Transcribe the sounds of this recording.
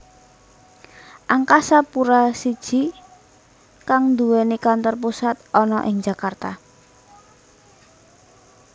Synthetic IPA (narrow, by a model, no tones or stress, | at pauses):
ʔaŋkasapuɾasid̥ʒ̥i̤ | kaŋd̪uwenikant̪ɔrpusat̪̚ʔɔnɔʔɪŋd͡ʒa̤kart̪a